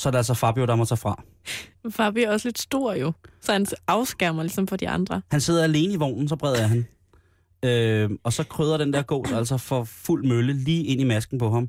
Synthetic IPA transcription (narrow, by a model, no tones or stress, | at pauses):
sɒ̽æɐɾe̝æls̬ɒfɑ̈b̥ijoɾ̥ɑmɒt͡sʰɛ̰ːfʁɑ̈ | fɑ̈ːb̥iæɐɒ̽sle̝d̥sd̥o̝ɐ̰jo̝sɒ̽hænsɑ̈ʊsɡ̥æɐ̰mɐlisɒ̽mfɒ̽d̥iɑ̈nd̥ʁɐhænse̝ð̞̰ˠɐæle̝ːnəiʋɒ̰ʊ̰nn̩sɒ̽b̥ʁɛð̞̰ˠɐɐɦæn | øɒ̽sɒ̽kʰʁøːð̞ˠɐɾ̥end̥eɐ̰ɡ̥ɔ̰ːsæl̰sɒfɒ̽ful̰møləliːe̝n̰imæsɡ̥n̩pʰɒ̽ɦɑ̈m